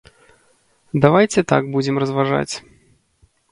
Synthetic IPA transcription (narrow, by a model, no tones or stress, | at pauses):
d̪avajt͡sʲɛt̪a̰ɡ̚bud͡zʲɛmrɐzvaʐa̰t͡sʲ